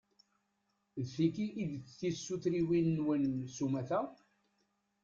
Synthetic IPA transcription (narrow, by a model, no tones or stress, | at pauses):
ðθikiʔːðt͡sθisːuθɾiwinːwənsumæθæ